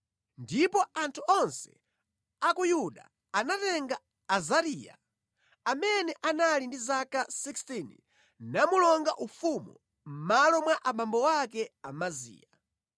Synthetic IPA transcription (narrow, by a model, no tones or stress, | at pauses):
ndipɔʔantʰuʔɔnsɛ̥̰ | akujuɗa̰ | anatɛŋɡaː | zaɾija̰ | amɛnɛʔanalindizakasikstini | namulɔŋɡaʔufumu | m̩malɔmwaʔamambɔwakɛamazḭːa